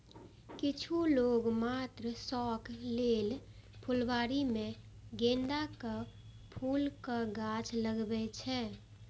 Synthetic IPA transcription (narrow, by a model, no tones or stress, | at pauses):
kɪt͡ʃʰuloːɡmat̪ɾəsɔkʰlelpʰulbaːɾimẽ | ɡẽnɖakə | pʰuːlkaɡat͡ʃʰləɡbɛt͡ʃʰɛ